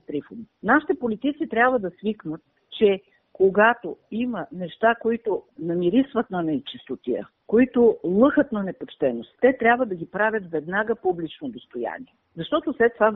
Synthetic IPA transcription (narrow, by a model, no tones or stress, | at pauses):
t̪ɾifominaʃi̥t̪ɛpolit̪it̪sit̪ɾʲjabvəd̪ɐsviknət̪̚ | t͡ʃɛ | koɡat̪oimənɛʃt̪akoit̪onɐmiɾisvət̪nɐnɛt͡ʃist̪ot̪iə̰ | koit̪ʊlˠɤxət̪nɐnɛpot͡ʃt̪ɛnost̪t̪ːɛt̪ɾʲjabvəd̪ɐɡʲipɾavʲjət̪vɛd̪naɡəpublit͡ʃnod̪ost̪oja̰nḭɛ | zɐʃt̪ɔt̪oslɛt̪ːova